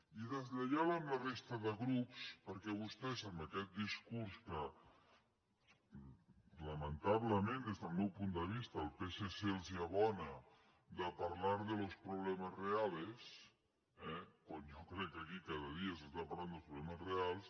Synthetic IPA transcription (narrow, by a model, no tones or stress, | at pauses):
iðəzʎaʎaβamlarest̪aðəɣɾupspəɾkɛβust̪ɛsambəkɛt̪̚d̪iskuɾskə | ləmənt̪aβləmẽnd̪ezt̪alˠmɛwpund̪əβ̞ist̪aːlˠpeseselsjaβɔnə | ðəpaɾlaɾðəlospɾuβlɛməzreales | ɛkwanjokɾɛkːakikaðəð̞iasəst̪apɐɾland̪əlˠspɾuβlɛməsrealˠs